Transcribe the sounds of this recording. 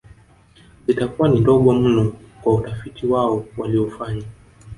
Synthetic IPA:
itakuwanindɔɠɔm̩nɔkwautafitiwaɔwaliɔfaɲa

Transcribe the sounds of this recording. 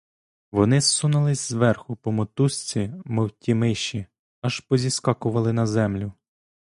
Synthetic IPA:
ʋɔnɪssunɐlˠɪsʲzʋɛrxʊpɔmɔt̪usʲt͡sʲimɔwtʲimɪʃi | ɐʒpɔzʲiskɑkʊʋɐlˠɪnɐzɛmlʲʊ

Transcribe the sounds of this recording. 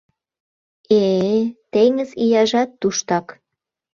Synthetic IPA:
et̪eŋəzijɑʒɑt̪ːuʃt̪ɑk

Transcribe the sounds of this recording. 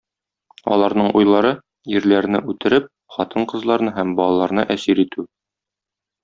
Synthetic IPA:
ɒ̰lˠɑɾnɤɴʔujlˠɑɾɤ | jɘɾlæɾ̆nɘʔʉt̪ɘ̆ɾɘp̚ | χɒt̪ʰɤɴqɤ̆zlˠɑɾnɤɦæmbɒlˠɑlˠɑɾnɤʔæsiɾit̪ʉ

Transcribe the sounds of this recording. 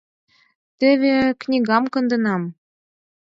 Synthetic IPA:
t̪ɘ̆βʲeknʲiɣɑmkɤ̆nd̪ɤ̆nɑm

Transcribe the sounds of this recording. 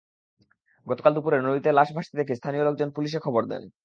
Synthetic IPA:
ɡɔt̪o̥kald̪upuɾeɾnoit̪elaʃbʱaʃt̪id̪ekʰest̪ʰanioloɡ̚d͡ʑonpuliʃ̬ekʰɔboɾd̪ɛ̰n

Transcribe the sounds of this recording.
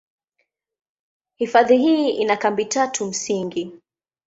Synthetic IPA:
hifaðihiːinakambitatʰum̩siŋɡi

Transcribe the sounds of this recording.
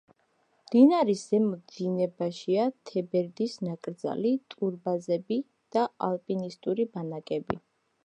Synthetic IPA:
md̪̥inaɾisɛmɔinɛbaʃiat̪ʰɛbɛɾd̪isnakʼɾd̪za̰lit̪ʼuɾbazɛbi | d̪̥aalˠpʼinist̪ʼuɾibanakʼɛbḭ

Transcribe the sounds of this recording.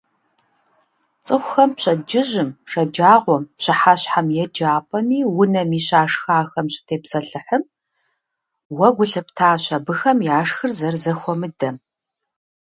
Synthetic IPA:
t͡sʼɨxʷʊxɐmpɕɐd͡ʒɪʑɪmʂɐd͡ʒaːʁʷɔmpɕɨħaɕħamjɛd͡ʒaːpʼɐniːwʊnɐmiːɕaːʂxaːxɐmɕʼɪ̥tʰeːpsɐɬɨħəm | wɐɡʷʊɬɐp̚tʰaːɕɐbɨxɐmjaːʂxɨrzɐrzɐxʷɔmɨdɐm

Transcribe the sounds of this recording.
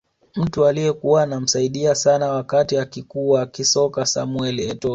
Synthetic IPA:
m̩tualiɛkuwanam̩saiɗiasanawakatiakikuːwakisɔkasamwɛliɛtɔ

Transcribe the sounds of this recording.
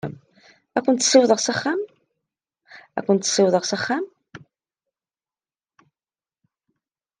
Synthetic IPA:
ə̰m | ækʷːənt̪ːə̥siwðˤəʁsaχːam | æ̰kʷːənt̪ːə̥siwðˤəʁsaχːam

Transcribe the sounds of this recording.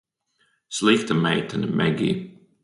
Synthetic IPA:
slik̚t̪ʰəmeɪtʰə̃nəmʔɛɡḭ

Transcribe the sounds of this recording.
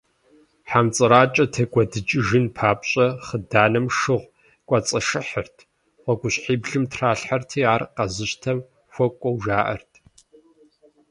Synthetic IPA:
ħamt͡sʼɨɾaːt͡ʃʼɐtʰɐkʷʼɔdɨt͡ʃʼɪʒɨnpʰaːpɕʼɐχədaːnɐmʂɨʁʷ | kʷʼɐt͡sʼɐʃɨħərtʰ | wʷɔɡʷʊɕħiːbɮɨmtʰraːɬħartʰiːaːrqɐzɨɕtʰɐm | xʷɔkʷʼɔwʒaːʔɐ̰rtʰ

